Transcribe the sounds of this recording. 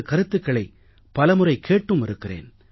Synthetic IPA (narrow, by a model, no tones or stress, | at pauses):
kɐɾɯt̪ːɯkːɐɭɐɪ | pɐlɐmɯrɐɪkʰːeːʈːɯmɪɾɯkːɪrḛːn